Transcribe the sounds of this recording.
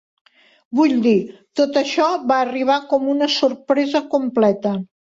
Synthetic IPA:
βuʎd̪it̪ot̪əʃɔβaːriβ̞akɔmunəsuɾpɾɛzəkumplɛt̪ə

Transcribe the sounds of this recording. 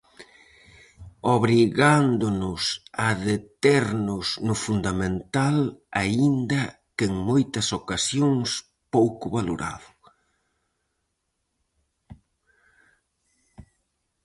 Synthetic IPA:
oβɾiɣand̪ʊnʊsaðet̪eɾnʊsnʊfund̪amẽnt̪alaind̪ɐ | keŋmojt̪ɐsokasjoŋs | powkʊβaloɾa̰ðʊ

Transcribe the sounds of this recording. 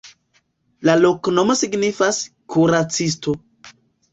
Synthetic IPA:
lalo̞kno̞mo̞siɡnifas | kʰuɾat͡sisto̞

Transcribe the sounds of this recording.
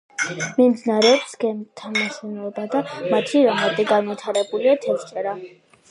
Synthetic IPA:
mimd̪naɾɛpsɡɛmt̪ʰamasɛnɔbad̪amat̪ʰiɾamaɾd̪ɛɡanvit̪ʰaɾɛbuliat̪ʰɛst͡ʃʼɛɾa

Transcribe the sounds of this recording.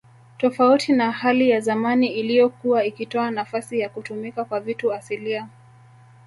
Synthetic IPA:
tɔfautʰinahalijazamaniilijɔkuaikitɔanafasijakutumikakwavituasilia

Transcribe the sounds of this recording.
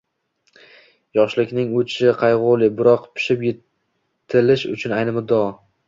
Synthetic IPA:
jɒʃlɪkʲnɪŋʊt͡ʃʰɪqʰɑjʁolˠɪbɪɾɒqpʰʊ̥ʃɪpjɪ | t̪ʰɪlɪʃʊt͡ʃʰʊnajnɪmʊd̪ːɒ

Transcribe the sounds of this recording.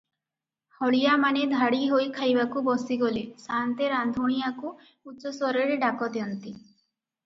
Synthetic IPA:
hɔɭijamaned̪ʱaɽiɦojkʰajbakubɔsiɡolesant̪eɾand̪ʱoɽ̃ijaku | uːɔsɔɾeɾeɖakɔd̪jɔnt̪i

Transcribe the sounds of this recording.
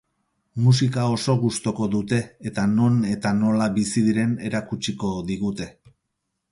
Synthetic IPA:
mus̬ikao̞so̞ɣust̪o̞ko̞ðut̪e̞ːt̪ano̞ne̞t̪ano̞laβisiðiɾe̞ne̞ɾakut͡ʃiko̞ðiɣut̪e̞

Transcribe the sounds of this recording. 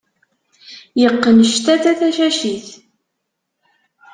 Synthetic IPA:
jəqːənəʃt̪æθæθæʃæʃiθ

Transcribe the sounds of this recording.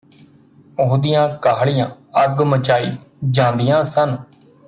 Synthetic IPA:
ʊɦd̪ijãːkaːɦɭijãː | əɡmət͡ʃaːḭːd͡ʒãːnd̪ɪjãːsən

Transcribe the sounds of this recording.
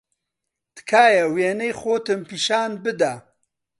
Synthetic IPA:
t̪kʰaːjɐweːnejxoːt̪ɨmpiːʃaːnbɨd̪a

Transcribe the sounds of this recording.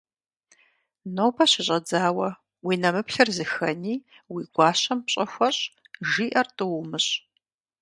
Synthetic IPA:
nowpʰɐɕɪɕʼɐd͡zaːwɐ | wiːnɐmɨpɬɐrzɨxɐniː | wiːɡʷɑːɕɐmpɕʼɐxʷɐɕʼ | ʒiːʔɐrtʼɨwʊmɨɕʼ

